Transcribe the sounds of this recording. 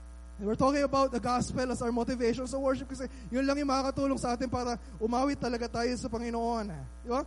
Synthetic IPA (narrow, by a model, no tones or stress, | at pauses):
wɪɹt̪okɪ̃ŋɐbawt̪̚d̪ɐɡaspɛlɐsawmot̪ɪvejʃonsɐwɛɹʃɪp̚kɐsɛ | jʊnlɐŋjʊŋmɐkakɐt̪uːloŋsɐʔaːt̪ɪnpaːɾɐ | ʔʊmaːwɪt̪ːɐlɐɡat̪aːjo̞sɐpɐŋɪnoʔona | d̪ɪba